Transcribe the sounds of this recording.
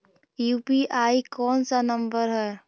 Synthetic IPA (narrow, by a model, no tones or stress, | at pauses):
juːpiʔaːikɔːnsanə̃mbəɾɦɛː